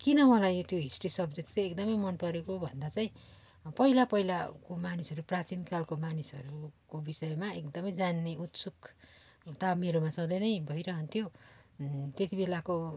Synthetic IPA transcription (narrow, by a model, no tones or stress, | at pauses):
kinʌmʌlajot̪joɦisʈrisʌbd͡zekt͡seekd̪ʌmʌjmʌnpʌɾekobʱʌnd̪at͡saĩ | pʌɦilapʌɦilakomanisʌɾuprat͡sinkalkomanisʌɾukobisʌemaekd̪ʌmʌjd͡zanːeut̪suk | t̪ameɾomasʌd̪ʌjnʌjbʱʌjɾʌɦʌnt̪ʰjo | t̪et̪ibelako